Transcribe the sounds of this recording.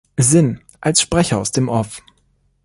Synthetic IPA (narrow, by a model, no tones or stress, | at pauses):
zɪn | ʔalsʃpʁ̥ɛçɐaʊsd̥eːmʔɔf